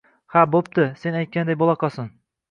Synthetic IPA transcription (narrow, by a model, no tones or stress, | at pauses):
habop̚t̪ɪse̞najt̪̚kʲand̪ajbolˠaqɑsɪn